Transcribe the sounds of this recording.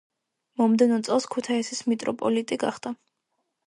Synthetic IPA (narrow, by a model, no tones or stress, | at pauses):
mɔmd̪ɛnɔt̪sʼɛlˠskʰut̪ʰaisismit̪ʼɾɔpʼɔlit̪ʼiɡa̰χd̪a